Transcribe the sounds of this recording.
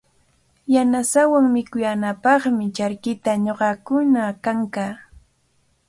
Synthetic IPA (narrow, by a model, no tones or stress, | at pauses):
janasawaŋmɪkʊjanapɑχmɪt͡ʃaɾkɪt̪aɲoɢɑkʊnakaŋkaː